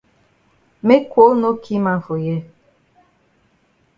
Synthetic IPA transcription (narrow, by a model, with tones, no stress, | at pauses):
me˦kʷo˨˦no˦kʰi˦ma˦fo˨je˦